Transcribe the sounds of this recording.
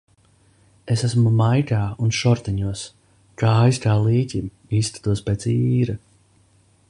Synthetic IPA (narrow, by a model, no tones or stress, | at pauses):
esæsmumajkaːunʃɔɾt̪ɛɲuɔs | kaːjskaːliːcʲim | iːst̪ḁt̪uɔspet̪siːɾa